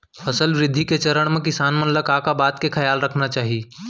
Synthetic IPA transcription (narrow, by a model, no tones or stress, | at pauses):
fʰɐsəlʋɾɪd̪ʱːiket͡ʃɐɾəɽ̃mẽkɪsaːnmɐ̃nləkaːkabaːt̪kekʰɐjaːlɾɐkʰnat͡ʃaːɦi